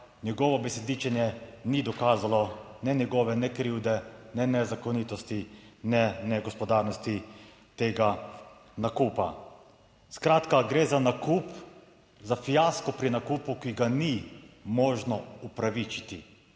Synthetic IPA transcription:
njɛɡɔːʋɔbɛsɛd̪iːt͡ʃɛnjɛnid̪ɔkaːzalɔnɛnɛɡoːʋɛnɛkɾiwd̪ɛnɛnɛzakoniːt̪ɔst̪inɛnɛɡɔspɔd̪aːɾnɔst̪i | t̪eːɡa | nakuːpa̰ | skɾaːt̪kaɡɾeːzanakuːp | zafijaskɔpɾinakuːpukiɡanimɔːʒnɔupɾaʋit͡ʃit̪i

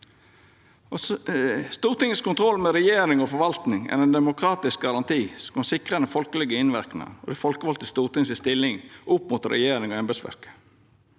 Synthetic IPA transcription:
st̪uːɾt̪ɪŋəskʊnt̪ʰɾɔlːmɛɾɛjeːɾɪŋɔfɔɾʋɑlt̪nɪŋæ̰ɾɛnd̪ɛmʊkʰɾɑːt̪ɪsk̚ɡɑɾɑnt̪ʰiːskosɪkʁənəfɔlkəlɛɡəɪnʋæɾknɑ̰nɔ̰d̪ɛfɔlkəʋɔlt̪əst̪uːɾt̪ɪŋsɪst̪ɪlːɪŋʔʊpmʊt̪ɾɛ̰jeːɾɪŋoːɛmbɛsʋæ̰ɾkə̥

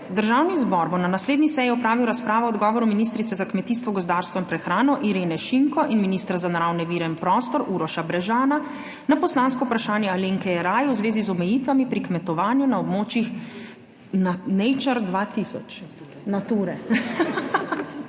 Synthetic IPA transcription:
d̪əɾʒaːwnizbɔɾbonanasleːd̪nisɛjɛɔpɾaːʋiwɾaspɾaːʋɔɔd̪ɡɔːʋɔɾuminist̪ɾit̪sɛzakmɛt̪iːst̪ʋɔɡɔzd̪aːɾst̪ʋɔinpɾɛxɾaːnɔʔiɾeːnɛʃiŋkɔʔinminist̪ɾazanaɾawnɛʋiːɾɛinpɾɔːst̪ɔɾʔuɾɔʃabɾɛʒaːna | napɔslaːnskɔwpɾaʃaːnjɛaliŋkɛjɛɾaːjɛwzʋeːzizɔmɛjiːt̪ʋamipɾikmɛt̪ɔʋaːnjunaɔbmoːt͡ʃjix | nanejt͡ʃəɾd̪ʋat̪isɔ̰t͡ʃ | nat̪uːɾɛ

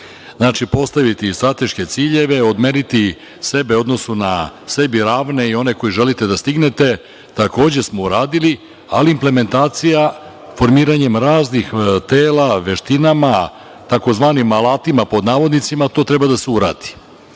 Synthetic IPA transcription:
znaːt͡ʃipo̞st̪aʋit̪ist̪ɾat̪e̞ʃke̞t̪siːʎe̞ʋe̞o̞d̪meɾit̪i | se̞beo̞d̪no̞sunase̞biɾaːʋne̞io̞ne̞ko̞jiʒe̞lit̪e̞d̪ast̪iɡne̞t̪e̞ | t̪ako̞ːd͡ʑe̞smo̞uɾaːd̪ili | aliːmple̞me̞nt̪aːt̪sija | fo̞ɾmiːɾaɲe̞mɾaːznixt̪eːlaʋe̞ʃt̪inama | t̪ako̞zʋaːnimalˠaːt̪imapo̞d̪naːʋo̞d̪nit̪simat̪o̞ːt̪ɾebad̪aseuɾa̰ːd̪̥i̥

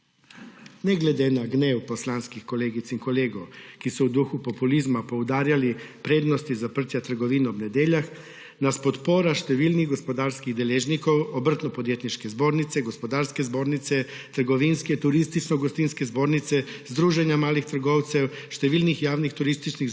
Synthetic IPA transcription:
nɛɡled̪enaɡneːwposlanskixkoleːɡit̪siŋkoleːɡowkisɔud̪uxupopulizmapowd̪aːɾjalipɾeːd̪nost̪izapɾ̩t̪jat̪əɾɡoʋiːnɔbnɛd̪eːʎax | naspot̪poːɾaʃt̪ɛʋiːlniɣɡospod̪aːɾskiɣd̪eleːʒnikowobr̩t̪nɔpod̪jeːt̪niʃkɛzboːɾnit̪sɛɡospod̪aːɾskɛzboːɾnit̪sɛ | t̪əɾɡoʋinskɛt̪uɾist̪it͡ʃnoɡɔst̪inskɛzboːɾnit̪sɛzd̪ɾuːʒɛnjamaːlixt̪ɾ̩ɡoːwt̪sɛw | ʃt̪ɛʋiːlnixjaːwnixt̪uɾist̪it͡ʃniɣ

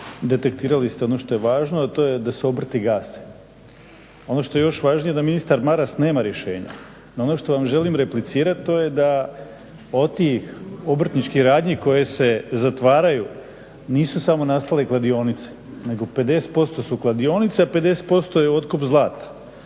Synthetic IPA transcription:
d̪e̞t̪e̞kt̪iːɾalist̪eo̞no̞ʃt̪o̞je̞ʋaːʒnoat̪o̞ːjed̪aseobr̩t̪iɡaːsi̥ | o̞no̞ʃt̪o̞je̞jo̞ʃʋaːʒnije̞d̪aminist̪aɾmaɾasne̞ːmaɾje̞ʃe̞ːɲa̰ | noonoʃt̪o̞ʋamʒe̞limɾe̞plit̪siːɾat̪t̪o̞je̞d̪a | ot̪ixobr̩t̪nit͡ʃkihɾaːd̪ɲiko̞je̞se̞zat̪ʋaːɾaju | niːsusamo̞nast̪ale̞klˠad̪io̞ːnit̪se̥ne̞ɡo̞pe̞d̪e̞se̥t̪po̞st̪o̞suklˠad̪ijo̞nit̪seape̞d̪e̞se̥t̪̚po̞st̪o̞jeo̞t̪kupzlˠaːt̪ḁ

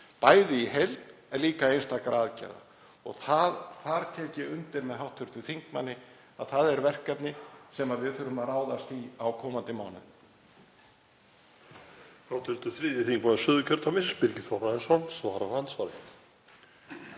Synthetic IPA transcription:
paːjðɪiɦelt̪ɛɾliːkaejnst̪akɾʔaːðcɛ̰ɾða̰ | ɔ̰ɣθaðfaɾt̪ʰɛːcɪʏnt̪ɪɾmɛðɦawht̪ʰːʏɾ̥t̪ʏθiŋkmanːɪ | aðθaðɛɾvɛr̥kapnɪsɛmaðvɪðθʏːɾʏmaraːwðast̪iawkʰɔːmant̪ɪmaːwnʏ̰n | hawht̪ʰʏɾ̥t̪ʏθɾiːðɪθiŋkmanːɪsʏːðʏcʰœɾ̥t̪ʰamɪspɪɾcɪθɔwɾaɛnsɔnsvaːɾavant̪svaɾɪ

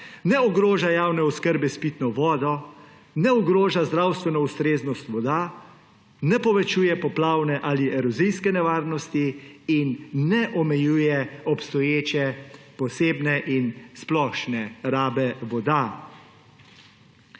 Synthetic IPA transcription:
nɛɔɡɾoːʒajaːwnɛɔskəɾbɛspit̪nɔʋɔːd̪ɔ | nɛɔɡɾoːʒazd̪ɾawst̪ʋɛnɔust̪ɾeːznɔst̪ʋɔd̪a | nɛpɔʋɛt͡ʃuːjɛpɔplaːwnɛʔaːliʔɛɾɔzijskɛnɛʋaːɾnɔst̪iinːɛʔɔmɛjuːjɛɔpst̪ɔjeːt͡ʃɛpɔseːbnɛʔinsplɔʃnɛɾaːbɛʋɔd̪a

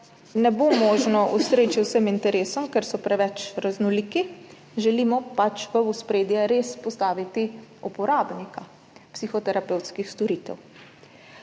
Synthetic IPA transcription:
nɛbomoːʒnɔʔust̪ɾeːt͡ʃiwsəmint̪ɛɾeːsɔmkɛɾsɔpɾɛʋɛt͡ʃɾaznɔliːki | ʒɛlimɔpat͡ʃʋəuspɾeːd̪jɛɾeːspɔst̪aːʋit̪iupɔɾaːbnika | psixɔt̪ɛɾapɛwt̪skixst̪ɔɾiːt̪ɛ̰w

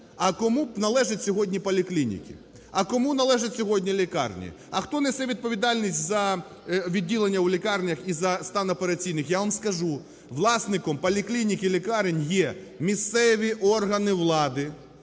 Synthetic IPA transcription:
ɐkɔmunɐlˠɛʒɐtʲsʲɔɦɔdʲnʲipɔlʲɪklʲinʲḭkʲɪ̰ | ɐkɔmunɐlˠɛʒɐtʲsʲɔɦɔdʲnʲilʲɪkɑ̰rnʲḭ | ɐxt̪ɔnɛsɛʋʲid̪̚pɔʋʲid̪ɑlʲnʲisʲtʲzɐ | ʋʲidʲːilˠenʲːɐwlʲɪkɑrnʲɐxizɐst̪ɑnɔpeɾɐt͡sʲijnɪxjaʋɐmskɐʒu | ʋlˠɑsnɪkɔmpɐlʲɪklʲinʲikʲɪlʲɪkɑɾenʲjɛmʲist̪sɛʋʲiʔɔrɦɐnɪʋlˠɑd̪ɪ

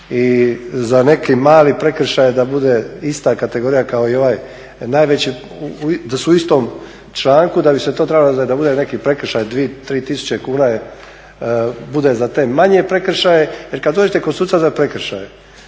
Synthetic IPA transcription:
izane̞kimaːlipɾe̞kr̩ʃajed̪abud̪e̞ist̪akat̪eɡo̞ːɾijakao̞io̞ʋaːj | naːjʋet͡ɕi | id̪asuuist̪o̞m | t͡ʃlˠaːŋkud̪abiset̪o̞t̪ɾebalod̪abud̪e̞nekipɾe̞k̩ʃajd̪ʋiet̪ɾiːt̪isu̥t͡ɕekuːnaje | bud̪e̞zat̪e̞ːmaɲiepɾe̞kr̩ʃajejeɾkad̪d̪o̞ːd͡ʒet̪ekosuːt̪sazapɾekɾ̩ʃaje

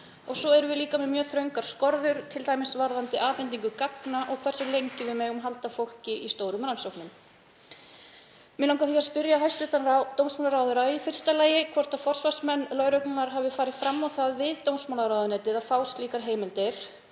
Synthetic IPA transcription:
ɔɣsɔɛɾʏvɪliːkamɪmjœːθɾœɥŋkaɾ̥skɔɾðʏɾ̥t̪ʰɪlt̪aːjmɪsvaɾðant̪ɪʔaːfɛnt̪ːiŋkʏkaknaʔɔɣkʰvɛrsʏlejɲcɪvɪðmɛːɣʏmɦalt̪afowl̥cɪʔist̪oːwɾʏmɾansowknʏm | mɪnawŋkaθiaðspɪɾjaɦajst̪lɪːt̪anɾat̪ownsmaːlaɾawðʏɾaifɪr̥st̪alaːjɪkʰvɔr̥t̪afɔr̥svḁsmɛnːlœɥɾœɥknanaɾ̥ɦavɪfaːɾɪðfɾamːawθaðvɪðt̪ownsmawlaɾaːwðʏnɛːt̪ɪðaðfaːwst̪liːkaɾɦeːjmɪlt̪ɪɾ̥

